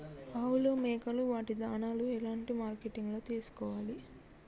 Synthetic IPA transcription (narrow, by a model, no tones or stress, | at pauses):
aːwuloːmɛːkɐluʋaːʈid̪aːnaːluɛlaːɳʈimaːɾkeʈiŋɡlo̞ːt̪iːsu̥kɔːʋaːli